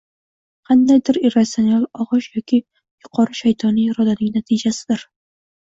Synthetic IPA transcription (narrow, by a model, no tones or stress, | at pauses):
qʰɑnd̪ajd̪ɪɾiɾat̪sionalˠɒʁɨʃjɒkʲʰɪ | jʊqʰɒɾɨʃajt̪ʰɒnɪjɾɒd̪anɪŋnat̪ʰɪd͡ʒasɪd̪ɪɾ